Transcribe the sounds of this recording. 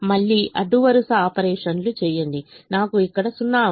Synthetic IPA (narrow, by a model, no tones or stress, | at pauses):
mɐɭːiːʔɐɖːuʋɐɾusɐaːpɐɾɛːʂɐnlut͡ʃɛːjɐɳɖ̪inaːkuikːɐɽɐsunːaː